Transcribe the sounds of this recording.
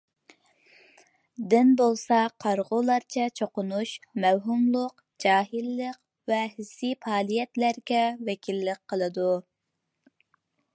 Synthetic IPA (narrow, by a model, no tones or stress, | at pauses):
d̪ɪnbolˠsɑqʰɑɾʁʊlˠɑɾt͡ʃʰɛt͡ʃʰoqʊnuʃmɛwɦumlˠʊq | d͡ʒɑːɦɨlːəq | vɛhɪsːipʰɑːlˠijɛt̪læɾɡʲɛvɛkʲʰilːɪk̚ʲqʰəlˠɨd̪u